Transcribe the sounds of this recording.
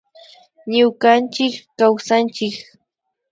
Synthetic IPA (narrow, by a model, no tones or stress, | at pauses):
ɲʊkant͡ʃɪkːawsant͡ʃɪk